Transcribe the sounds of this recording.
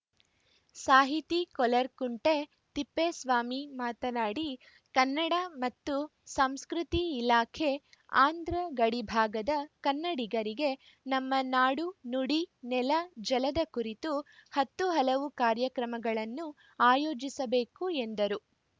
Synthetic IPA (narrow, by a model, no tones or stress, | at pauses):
saːɦit̪ikɔlɐɾkuɳʈe | t̪ipːesʋaːmimaːt̪ɐnaːɽi | kɐnːɐɽɐmɐt̪ːusɐmskɾut̪iːlaːkʰe̞aːnd̪ʱɾɐɡɐɽibʱaːɡɐd̪ɐkɐnːɐɽiɡɐɾiɡe̞ | nɐmːɐnaːɽunuɽinɛlɐd͡ʒɐlɐd̪ɐkuɾit̪uhɐt̪ːuɦɐlɐʋukaːɾjɐkɾɐmɐɡɐɭɐnːu | aːjoːd͡ʒisɐbeːkuend̪ɐɾu